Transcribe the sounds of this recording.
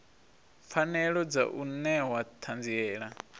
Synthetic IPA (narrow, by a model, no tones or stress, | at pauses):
fanɛɺɔd͡za̰ʔunɛwat̪ʰand͡ziɛːɺa